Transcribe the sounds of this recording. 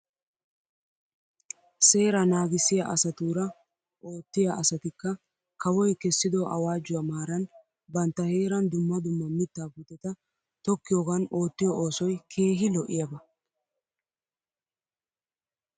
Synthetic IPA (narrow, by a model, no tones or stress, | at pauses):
se̞ːɾɐnaːɡɪsɪjɐʔɐsɐt̪uːɾɐ | ʔo̞ːt̪ːɪjaʔɐsɐt̪ɪkːɐ | kɐwɔjkɛsːɪd̪ɔʔɐ̰waːd͡ʒːʊwamaːɾɐn | bɐnt̪ːɐhe̞ːɾɐnd̪ʊmːɐd̪ʊmːɐmɪt̪ːaːbuːt̪ːɛt̪ɐ | t̪ɔkːɪjoːɡɐno̞ːt̪ːɪjɔʔoːsɔjkʰe̞ːɦɪlɔʔɪjɐbɐ